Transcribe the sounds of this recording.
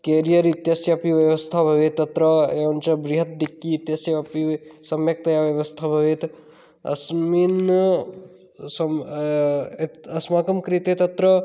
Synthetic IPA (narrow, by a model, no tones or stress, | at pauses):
keːɾijɐɾit̪jasjɐpiʋjɐʋɐst̪ʰabʱɐʋet̪ːɐt̪ɾɐeunt͡ʃɐbɾiɦɐt̪̚d̪ikːiːt̪jɐsjɐpisɐmjɐk̚t̪ɐjaʋjɐʋɐst̪ʰabʱɐʋet̪ | ɐ̰smin | sɐ | ɐsmaːkɐmkɾit̪et̪ɐt̪ɾɐ